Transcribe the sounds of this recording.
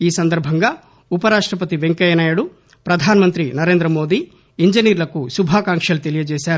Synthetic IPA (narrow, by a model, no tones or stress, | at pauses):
iːsɐnd̪ɐɾbʱɐŋɡaː | upɐɾaːʂʈɾɐp̬ɐt̪iʋe̞ŋkɐjɐnaːjɐɽu | pɾɐd̪ʱaːnɐmɐnt̪ɾinɐɾe̞ːnd̪ɾɐmo̞ːd̪iː | iɲd͡ʒɐniːɾlɐkusubʱaːkaːŋkʂɐlut̪elijɐd͡ʒɛːʃaːɾu